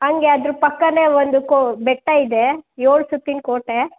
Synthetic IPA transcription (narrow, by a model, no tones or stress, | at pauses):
ɐŋɡeɐd̪ɾupɐkːɐneːʋond̪ukobɛʈːɐid̪ejoːɭsut̪ːinkoːʈːe